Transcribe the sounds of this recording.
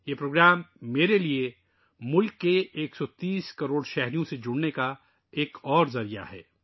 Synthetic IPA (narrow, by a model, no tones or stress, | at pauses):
jeːpɾoːɡɾaːmːeːɾelie | mʊlkːeeːksɔt̪iːskɐɾoːɽʃɛɦɾijõsed͡ʒʊɽneka | eːkʰɔːɾzɐɾija̰ɦɛ̰ː